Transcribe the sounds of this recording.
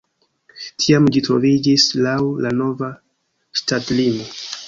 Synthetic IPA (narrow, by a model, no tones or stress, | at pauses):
tʰiamd͡ʒitɾo̞vid͡ʒislawlano̞va | statlimo̞